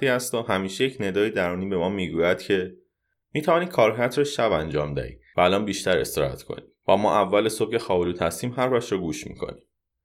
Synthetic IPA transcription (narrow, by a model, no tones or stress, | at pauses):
iːhæst̪ɒhæmiːʃejecʰned̪ɒːjid̪æɾuːniːbe̞mɒːmiːɡuːjæd̪̥cʰe̞ | miːt̪ʰævɒːnikʰɒːɾɦæɾt̪ʰɾɒʃæbænd͡ʒɒːmd̪æ̰hḭːvæːlɒːnbiːʃt̪æɾe̞st̪eɾɒ̰hæ̰t̪kʰo̰ni | væmɒ̰ːʔævːæleso̞b̚ce̞xɒːbeluːt̪ʰhæst̪iːmɦæɾvæʃɾɒɡuːʃmḭːkʰo̞̰ni